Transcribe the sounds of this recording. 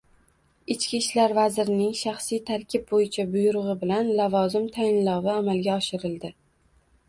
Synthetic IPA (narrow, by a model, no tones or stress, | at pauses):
ɪt͡ʃkʲiʃlaɾvazɪɾɪnɪŋʃaχsijt̪ʰaɾkʲʰɪb̚bojɪt͡ʃʰabʊjʊɾʊʁɨbɪlanlavɒzɪmt̪ʰaɪnlɒwɪamalɡʲaɒʃɪɾɪld̪ɪ